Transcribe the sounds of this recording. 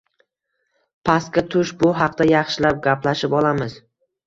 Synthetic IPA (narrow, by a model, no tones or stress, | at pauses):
pʰaskʲat̪ʰʊʃbʊɦɑqt̪ajɑχʃɪlap̚ɡʲaplaʃɪpɒlˠamɪz̥